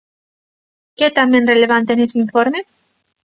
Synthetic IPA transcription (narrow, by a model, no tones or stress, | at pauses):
ket̪amenreleβant̪enesiɱfoɾme